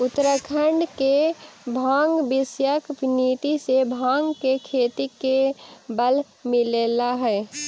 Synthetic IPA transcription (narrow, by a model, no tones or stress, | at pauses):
ʊt̪əɾəkʰəɳɖkebʱãːŋɡbɪsjəkniːt̪isebʱãːŋɡkekʰeːt̪ikebəl | mɪleːlaɦɛː